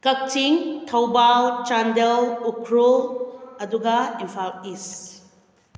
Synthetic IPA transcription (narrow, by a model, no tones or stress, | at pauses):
kɐk̚tʰiŋtʰɐwbalt͡ʃandelukʰɾulɐduɡɐimpʰalis